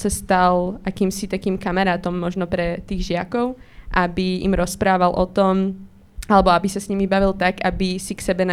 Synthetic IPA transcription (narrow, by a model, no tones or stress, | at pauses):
sast̪alʔakiːmsit̪akiːmkamaɾaːt̪ɔmːɔʒnɔpɾɛt̪iːɣʒɪakɔʊʔabiḭmɾɔspɾaːʋalʔɔt̪ɔm | alɛbɔabisasɲimibaʋilt̪aɡabisiksɛbɛna